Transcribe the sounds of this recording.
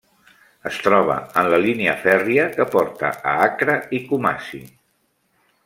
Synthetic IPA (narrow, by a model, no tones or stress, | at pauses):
əst̪ɾɔβ̞ə̰ənləliniəfɛriəkəpɔɾt̪ə̰əakɾəikuma̰sḭ